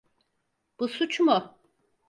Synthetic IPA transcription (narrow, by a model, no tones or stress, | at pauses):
b̥usut͡ʃmʊ